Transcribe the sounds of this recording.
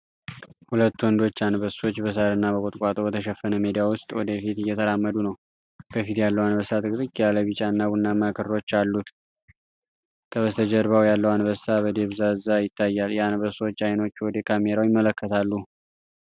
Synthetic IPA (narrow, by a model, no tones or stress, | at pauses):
hulət̪ːuwɔnd̪o̞t͡ʃːanbəso̞t͡ʃːbəs̬aɾɨnːabəkʼot̪ʼkʼat̪ʼobət̪ʰəʃɛfːənəmed̪ijawʊst̪ʼwɔd̪əfit̪ɨjɛt̪ʰəɾamːəd̪unəw | bəfit̪jalːəwanbəsat̪ʼɨkʼt̪ʼɨkʼːjaləβit͡ʃʼanːabunːaməkʰɨɾo̞t͡ʃːalːut̪ | kʰəβəst̪ʰəd͡ʒəɾβawjalːəwanβəsabəd̪e̞βzazajɪt̪ʰːajːaljɛanbəso̞t͡ʃːajno̞t͡ʃːwɔd̪əkʰame̞ɾawjɪmːələkːət̪ʰalːu